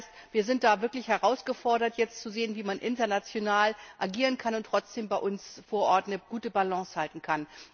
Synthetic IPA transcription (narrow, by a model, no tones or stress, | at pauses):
st | v̥iːɐzɪnt̚d̥aːvɪɐklɪçhɛʁaʊsɡ̥əfɔɐɾɐtjɛt͡stt͡suzeːənviːmanʔɪntɐnat͡sjonaːlʔaɡiːʁənkʰanʊntːʁ̥ɔt͡sd̥eːmbaɪʔʊnsfoːɐʔɔɐtnəɡ̥uːtəbalɑ̃ːshaltn̩kʰan